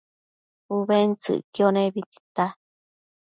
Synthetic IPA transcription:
uβent͡sɨ̰ʔkjonẽβit̪i̥t̪a

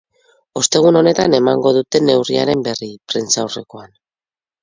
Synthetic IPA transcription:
o̞st̪e̞ɣ̞uno̞ne̞t̪ane̞maŋɡo̞ðut̪e̞ne̞wriaɾe̞mbe̞ripɾent͡sawre̞ko̞an

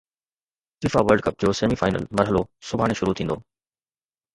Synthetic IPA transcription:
fɪfaʋəɾɖkɐp̚d͡ʑoːseːmifaːɪnə̰lmɐɾɦəlosʊbʱaːɽ̃eʃʊɾut̪ʰĩːnd̪oː

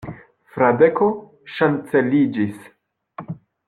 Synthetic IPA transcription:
fɾadeko | ʃant͡selid͡ʒis

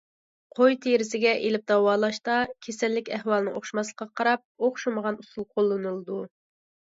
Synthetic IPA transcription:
qʰojt̪ʰeɾɪsɪɡʲɛʔelɪp̚d̪ɑwɑːlˠɑʃt̪ɑkʲʰesɛlːɪkʲɛhwɑlˠɨnɨ̰ŋoχʃmɑslˠə̥qːɑqʰɑɾɑp̚oχʃuməʁɑnusulˠqʰolˠːɨnɨlˠɨd̪u

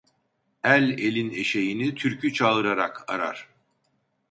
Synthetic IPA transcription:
ælʲe̞lʲine̞ʃejinit̪ʰyɾcʰyt͡ʃʰaɯɾaɾakʰaɾa̰ɾ̥

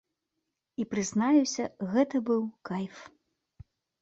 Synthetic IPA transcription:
ipɾɨznajusʲɐɣɛt̪ɐbɨwkajf

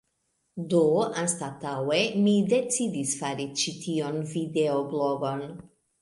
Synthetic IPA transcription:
d̪oanst̪at̪awemid̪et͡sid̪isfaɾit͡ʃit̪ʰionvid̪eobloɡon

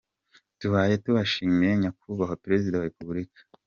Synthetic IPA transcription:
tuβaːje̞tuβaʃiːmijeɲakuβaɦopeɾe̞zidawaɾepuβuɾikḁ

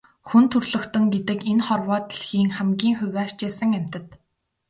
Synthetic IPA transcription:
xunt̪ʰɵrɮɵ̆kt̪ɵ̆ŋɡet̪ɘ̆kenχɔrwɔːt̪iɮxiːŋχæmɡʲiːŋxʊwʲæːrt͡ɕeːsə̆ŋæm̥ʲt̪ə̆t̪

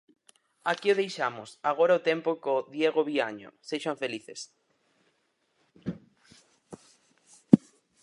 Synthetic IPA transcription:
akioðejʃamʊsaɣ̞oɾaot̪empʊkoðjeɣoβiaɲo̰seʃaɱfeliθes

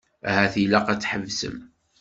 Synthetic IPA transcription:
æhæθilæqæt͡sːħəvsə̰m

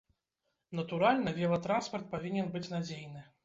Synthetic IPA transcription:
nɐt̪uɾalʲnɐvʲɛlˠɐt̪ɾanspɐrt̪̚pavʲinʲɛnbɨt͡sʲnad͡zʲejnɨ

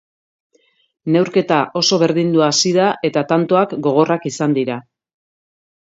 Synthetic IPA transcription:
ne̞wɾke̞t̪aʔo̞so̞β̞e̞ɾðind̪uasiðaʔe̞t̪at̪ant̪o̞akɡo̞ɣ̞o̞rakisand̪iɾa

